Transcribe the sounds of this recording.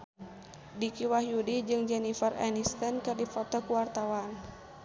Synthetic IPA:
dikiwaɦjudid͡ʒɨŋd͡ʒɛnifərɛ̰nist̪ənkɨrdifɔt̪ɔkuwart̪awan

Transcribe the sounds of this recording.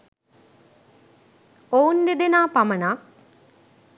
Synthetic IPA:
ound̪ed̪enaːpamɐnak

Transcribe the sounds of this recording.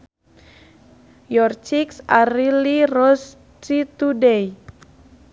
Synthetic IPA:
jɔrt͡ʃiksaɾilirɔs | t͡ʃit̪udɛj

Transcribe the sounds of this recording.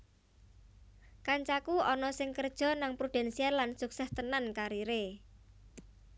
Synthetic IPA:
kaɲt͡ʃakuɔnɔsɪŋkərd̥ʒ̥ɔ̤naŋpɾud̪̥ɛ̤nsialansuksɛst̪ənankaɾiɾe

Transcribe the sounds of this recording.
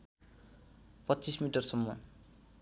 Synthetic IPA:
pʌtːt͡sismiʈʌrsʌmːʌ̰

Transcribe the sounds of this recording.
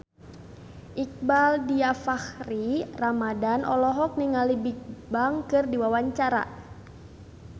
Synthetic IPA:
ʔik̚baldiafaxriramadanʔɔlɔɦɔk̚niŋalibik̚baŋkɨrdiwawaɲt͡ʃaɾa̰

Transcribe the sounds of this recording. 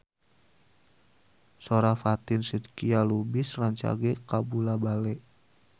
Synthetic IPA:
soɾafat̪ɪnsid̪kialubisraɲt͡ʃa̰ɡɛkabulabalɛʔ

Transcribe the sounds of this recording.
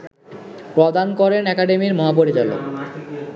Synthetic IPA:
pɾod̪ankɔɾenɛkaɖemiɾmɔɦap̬oɾid͡ʑalo̰

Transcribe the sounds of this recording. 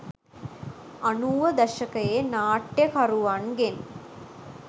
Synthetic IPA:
ɐɳuːʋɐd̪ɐʂɐkɐjenaːʈjɐkɐruʋaːɳɡen

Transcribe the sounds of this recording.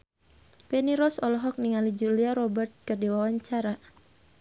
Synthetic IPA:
pɛniɾɔsɔlɔɦɔk̚niŋalid͡ʒuliaɾɔbərt̪̚kərdiwawaɲt͡ʃaɾa

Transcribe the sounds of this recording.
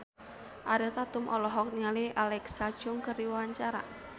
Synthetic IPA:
ʔaɾɛt̪at̪ʊmʔɔlɔɦɔk̚niŋaliʔalɛksḁʒ̥ʊŋkəriwaɲt͡ʃaɾa̰

